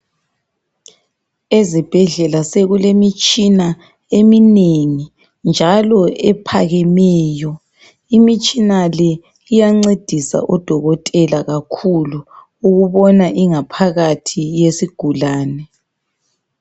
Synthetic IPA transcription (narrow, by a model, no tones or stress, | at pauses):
ezib̥ʱɛɮɛlaseɣulemit͡ʃʼina | emineŋi | nd͡ʒʱalɔɛpʰaɣɛmɛːjɔ | imit͡ʃʼinalɛ | ijaŋ͡ǀed̥ʱisa̰ʔɔd̥ʱɔɣɔtʼɛlaɣakʰuluː | ɣuβɔnaʔiŋapʰaɣatʰijesiɡ̥ʱulaːnɛ